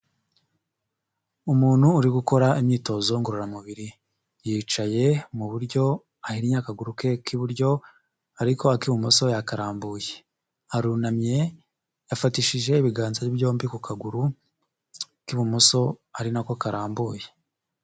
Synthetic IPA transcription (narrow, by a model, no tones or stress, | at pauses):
umuːn̥huːɾiɡuko̞ɾaimɲiːto̞zo̞ŋɡoɾoɾamuβiɾi | jiːt͡ʃaje̞muβuɾɟo̞ | ahiɾiɲakaɡuɾuke̞kiβuɾɟo̞ | aɾiko̞akiβumoso̞jakaɾaːmbuːje | aɾunamɲe̞ | jafatiʃiʒe̞iβiɡaːnzajibɟo̞ːmbikukʰaɡuɾu | kiβumoso̞aɾinakokaɾaːmbuːje